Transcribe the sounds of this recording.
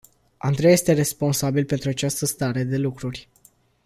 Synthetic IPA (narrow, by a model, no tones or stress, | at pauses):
a̰nd̪ɾeje̞st̪e̞ɾe̞spo̞nsabilpe̞nt̪ɾuat͡ʃast̪əst̪aɾe̞d̪e̞lukɾurʲ